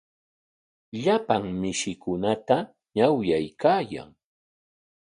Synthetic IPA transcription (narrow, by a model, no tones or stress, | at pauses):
ʎapaŋmɪʃɪkʊnat̪a | ɲawjajkaːja̰ŋ